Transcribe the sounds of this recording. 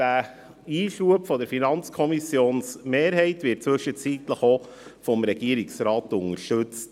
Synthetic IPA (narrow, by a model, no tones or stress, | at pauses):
d̥æ | iːʃuəpfɔd̪əɾfinɑnt͡skʰɔmisjoːnsmeːɾɦɛɪtʋɪːt̚t͡sʋʏʃət͡sit̪ləχo | fɔmɾɛɡ̥iəɾiksɾɑːtʊŋəɾʃtɵt͡st